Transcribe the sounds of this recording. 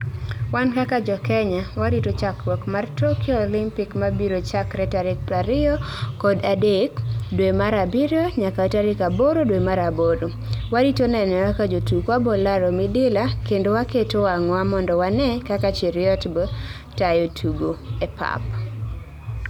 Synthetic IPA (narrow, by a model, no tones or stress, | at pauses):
wankakad͡ʒɔkɛɲawaɾitot͡ʃakwɔkmartokjɔːlɪmpɪkmabiɾot͡ʃakɾɛtaɾɪk̚pɾaɾɪɔkɔdadekdwemaɾabiɾoɲakataɾɪkaboɾodwemaɾaboɾo | waditonɛnɛwakad͡ʒotukwabolaɾomɪdɪlakendowaketowaŋwamɔndɔwanɛkakat͡ʃɪɾɪjɔtbɔ | tajotʰuɡoepʰa̰p